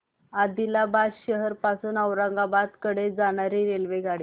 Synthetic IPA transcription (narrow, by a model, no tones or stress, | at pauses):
ad̪ilabasɕəɦəɾpasuːnəwɾãŋɡabat̪kəɽed͡zaɽ̃aɾiɾelʋeɡʱaɽi